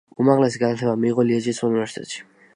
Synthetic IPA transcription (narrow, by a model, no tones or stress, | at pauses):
umaʁlɛsiɡanat̪ʰɛbamiʁɔliɛd͡ʒisunivɛɾsi̥t̪ʰʼɛ̰t̪ʃi̥